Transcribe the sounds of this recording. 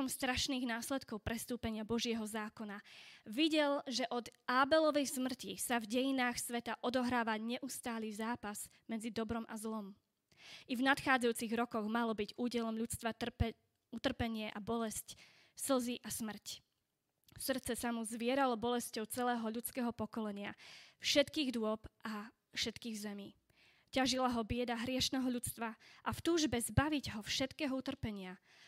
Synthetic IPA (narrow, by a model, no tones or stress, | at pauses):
ɔmst̪ɾaʃniːɣnaːslɛt̪kɔʊpɾɛst̪uːpɛɲɪabɔʒɪɛɦɔzaːkɔnaʋiɟɛlʒɛʔɔd̪aːbɛlɔʋɛjsmr̩cisavɟɛjinaːxsʋɛt̪aʔɔd̪ɔɦɾaːʋaɲɛʔust̪aːlizaːpaz | mɛd͡zid̪ɔbɾɔmʔa̰zlɔm | ʔivnat̪xaːd͡zajuːt͡siɣɾɔkɔɣmalɔbiɟuːɟɛlɔmʎut͡st̪ʋa | ut̪r̩pɛɲɪɛʔabɔlɛsc | sl̩ziʔasmr̩c | srt̪t͡sɛsamuzʋɪɛɾalɔbɔlɛscɔʊt͡sɛlɛːɦɔʎut͡skɛːɦɔpɔkɔlɛɲɪafʃɛt̪kiːɣd̪ʊɔpʔa | fʃɛt̪kiːɣzɛmiː | caʒilaɦɔbɪɛd̪aɦɾɪɛʃnɛːɦɔʎut͡st̪ʋaʔaft̪uːʒbɛzbaʋiɟɦɔfʃɛt̪kɛːɦɔut̪r̩pɛɲɪa